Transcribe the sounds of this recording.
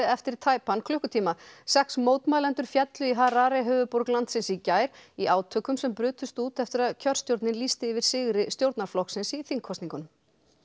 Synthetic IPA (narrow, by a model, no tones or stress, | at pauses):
ɛft̪ɪɾt̪ʰaːjpankʰlʏhkʏt̪ʰiːmasɛksmoːwt̪majlɛnt̪ʏɾ̥fjɛt̪lʏiɦaɾaːɾɪɦœːvʏpoɾklant̪sɪnsicaːjɾ̥iʔaːwt̪ʰœːkʏmsɛmpɾʏːt̪ʰʏst̪uːt̪ɛft̪ɪɾaðcʰœr̥st̪jowɾt̪nɪnliːst̪ɪɪvɪɾ̥sɪɣɾɪst̪jowɾt̪naɾflɔhksɪnsiθiŋkʰɔst̪niŋkʏn